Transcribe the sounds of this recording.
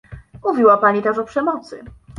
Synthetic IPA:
muvʲiwapaɲit̪aʂɔpʂɛmɔt̪sɘ̰

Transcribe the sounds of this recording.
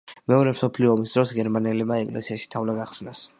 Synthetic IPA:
mɛɔɾɛmsɔpʰliɔːmisd̪ɾɔsɡɛɾmaniɛlimaɛkʼlɛ̰siaʃi̥t̪ʰavlaɡaχsnas

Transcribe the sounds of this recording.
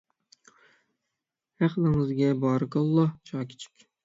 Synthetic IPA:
hæχlɨŋɨzɡʲɛbɑːɾɨkɑlˠːɑt͡ʃʰɑːkʲʰi̥t͡ʃʰɪ̥kʲ

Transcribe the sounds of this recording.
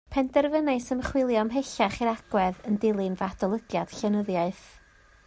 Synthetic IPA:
pʰɛndɛrvənesəmχwɪlˠjɔmɦeɬaχiɾaɡ̥wɛðəndɪlˠɨnvad̥ɔlˠəɡjad̥ɬɛnəðjaɨθ

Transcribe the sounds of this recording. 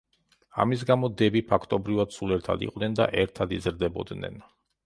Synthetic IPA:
a̰mis̬ɡamɔd̪ɛbipʰakʰt̪ʼɔbɾivad̪̥sulɛɾt̪ʰa̰d̪ḭqʼnɛnd̪a̰ʔɛɾt̪ʰad̪izɾd̪ɛbɔ̰d̪nɛ̰n

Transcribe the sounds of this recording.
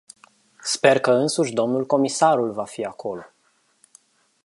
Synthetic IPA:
spe̞rkəɨnsuʃʲd̪o̞mnulko̞misaɾulvafiakʰo̞lo̞

